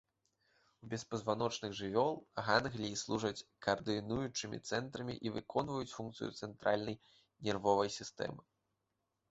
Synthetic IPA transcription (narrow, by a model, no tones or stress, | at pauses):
wbʲɛspɐzvanɔt͡ʂnɨɣʐɨvʲɔlˠɣanɣlʲiːslˠuʐɐt͡sʲkɐrd̪ɨnujut͡ʂɨmʲḭt̪sɛnt̪ɾɐmʲḭʔivɨkʰɔnvɐjut͡sʲfunkt̪sɨjṵt̪sɛnt̪ɾalʲnɐj | nʲɛrvɔvɐjsʲist̪ɛ̰mɨ